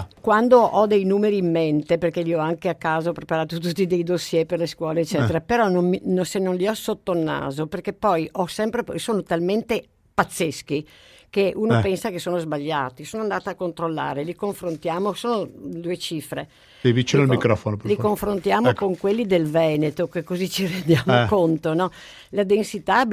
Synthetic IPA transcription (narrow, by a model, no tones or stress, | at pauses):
kwand̪oʔɔd̪ejnuːmeɾiːmːent̪eperkeliɔaŋkeakːaːzopɾepaɾaːt̪ot̪ut̪ːid̪ejd̪osjɛperleskwɔːleːt͡ʃːɛːt̪eɾapeɾɔnomminosenːonliɔsot̪ːolnːa̰ːzoperkepːɔjʔɔsɛmpɾesoːnot̪alment̪e | pat̪sːesk̟i | keʔuːnopɛnsakesoːnozbaʎːaːt̪isoːnoand̪aːt̪aːkːont̪ɾolːa̰ːɾelikoɱfɾont̪jaːmosoːnod̪uːet͡ʃifɾe | evit͡ʃinolmikɾɔfonoplikoɱfɾont̪jaːmokoŋkwelːid̪elvɛːnet̪okekːozit͡ʃirend̪jaːmokont̪onɔ | lad̪ensit̪a